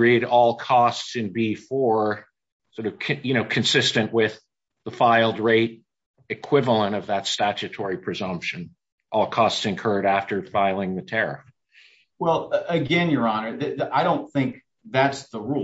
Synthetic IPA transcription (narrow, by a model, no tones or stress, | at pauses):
ɹiɾɔlˠkʰɔstsɨ̃nbifə˞ | sɔɹɾʌv̥kʰjɨñoʊkʰɨ̃nsɪstɨ̃nʔwɪð | əfaɪlˠd̚ɹeɪɾ | ɨkʰw̥ɪvl̩ˠə̃ɾ̃ʌvðɨtstæt͡ʃɨtʰɔɹipʰɹ̥ɨzʌ̃mpʃɨ̃n | ʔɔlˠkʰɔstsɨ̃nkʰɜ˞ɾæftə˞faɪlˠɪ̃ŋðɨtʰɛɹɨ̰f | wɛlˠɨɡɛ̃njə˞ɑnə˞ðɨaɪɾõʊ̃nθɪ̃ŋk̚ | ðætsðəɹu